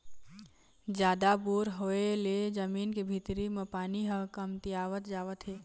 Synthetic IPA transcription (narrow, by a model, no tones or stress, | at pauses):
d͡ʒjaːd̪abuːɾɦoeled͡ʒəmiːnkibʱit̪ɾimepaːniɦəkəmt̪iaːʋət̪d͡ʒaːʋət̪ɦeː